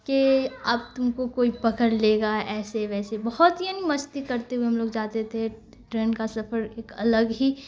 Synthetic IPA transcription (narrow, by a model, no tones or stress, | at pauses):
keɐbt̪ʊmkokoːipɐkəɾleːɡaʔɛːseʋɛːsebɐɦɔt̪ɦijanimɐst̪ikɐɾt̪eɦueɦɐmloːɡd͡ʒaːt̪et̪ʰe | ʈɾeːnkasɐfəɾeːkɐləɡɦi